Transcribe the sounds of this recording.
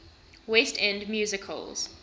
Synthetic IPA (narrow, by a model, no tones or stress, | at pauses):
westʰɛ̃ndmjuːzɪkʰə̰lˠz̥